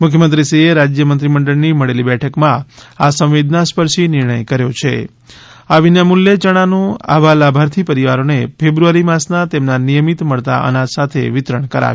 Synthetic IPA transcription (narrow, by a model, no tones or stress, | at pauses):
mʊkʰjəmənt̪̬ɾisieɾad͡ʒjəmənt̪ɾiməɳɖəɭniməɭelibɛʈʰəkmãasə̃ʋʋid̪naspəɾʃinɪɾɳəjkəɾjot͡ʃʰḛ | aʋinjamuljet͡ʃəɽ̃anũa̰ʋalabʱaɾt̪ʰipəɾiʋaɾonepʰebɾuaɾimasnat̪emnanijəmit̪məɭt̪a̰ʔə̰nãt̪sat̪ʰḛʋɪt̪ɾəɳ̃kəɾa̰